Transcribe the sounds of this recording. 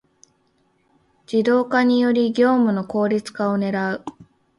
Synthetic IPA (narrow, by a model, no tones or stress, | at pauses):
d͡ʑid̪o̞ːkaɲ̟ijo̞ɾʲiɡʲo̞ːmɯ̟no̞ko̞ːɾʲit͡sɨ̥kao̞ne̞ɾaɯ̟